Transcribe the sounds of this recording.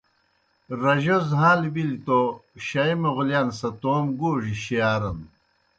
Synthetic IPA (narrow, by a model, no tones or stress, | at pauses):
ɾɐʑozɦaːlbilit̪oɕɐimeʁuljansɐt̪oːmɡuːʐiɕijaːɾɐn